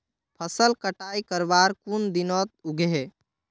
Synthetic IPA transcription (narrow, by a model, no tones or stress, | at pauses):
pʰəsəlkəʈaikəɾbaɾkund̪inɔt̪̚uɡʱɦe